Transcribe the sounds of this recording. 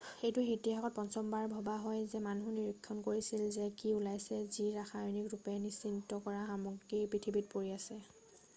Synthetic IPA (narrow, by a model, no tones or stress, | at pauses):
xejtʊɦitiakɔt̚pɔnsɔmbaɹbʱɔbaɦɔjzɛmanuniɹikʰːɔnkoɹisilzɛkiulajsɛziɹaxajnikɹupɛnisintɔkɔɹaxamuɡipɹitʰibit̚poɹiasɛ